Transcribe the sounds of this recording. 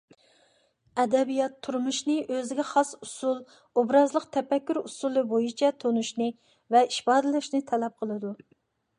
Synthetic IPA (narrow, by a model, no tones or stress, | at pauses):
ɛd̪ɛbijɑt̪ʰːuɾmuʃnɨʔøzɪɡʲɛχɑsusulˠ | obɾɑzlˠəqt̪ʰɛpɛkʲːyɾusulˠɨbojit͡ʃʰɛt̪ʰonuʃnɨ | vɛiʃpɑːd̪ɨlɨʃnɨt̪ʰɛlɛp̚qʰəlˠɨd̪u